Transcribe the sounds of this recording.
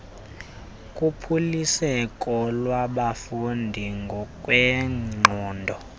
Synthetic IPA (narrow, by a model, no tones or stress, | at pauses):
kʼupʰulisɛkʼɔlwaɓafundʱiŋɡʱɔkʼwɛŋ͡ǃʱɔːndʱɔ